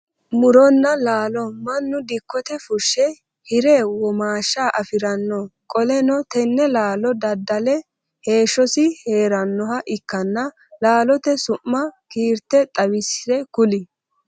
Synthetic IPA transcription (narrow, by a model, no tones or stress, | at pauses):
mʊɾɔnːɐlaːlɔmɐnːʊd̪ɪkːɔt̪ɛfʊʃːɛ | hɪɾɛwɔmaːʃːaːʔɐfɪɾɐnːɔkʼɔlɛnɔt̪ɛnːɛlaːlɔd̪ɐd̪ːɐlɛ | he̞ːʃːɔsɪhe̞ːɾɐnːɔɦɐʔɪkːɐnːɐ | laːlɔt̪ɛsʊmːɐkiːɾt̪ɛt̪ʼɐwɪsɛkʊlɪ